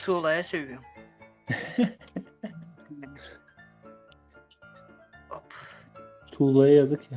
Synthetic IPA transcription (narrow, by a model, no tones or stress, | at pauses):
t̪ʰulˠajasejyjom | opʰ | t̪ʰuːlˠajɯjazɯkja